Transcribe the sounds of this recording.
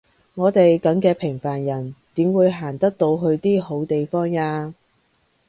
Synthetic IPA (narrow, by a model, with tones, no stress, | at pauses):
ŋɔː˨˧t̪e˨jkɐ˨˥ŋkɛː˧pʰɪ˨˩ŋfaː˨˩njɐ˨˩nt̪iː˨˥mwuː˨˧jɦaː˨˩nt̪ɐ˥k̚t̪o˧wɦɵ˧ɥt̪iː˥ho˨˥wt̪e˨jfɔː˥ŋaː˧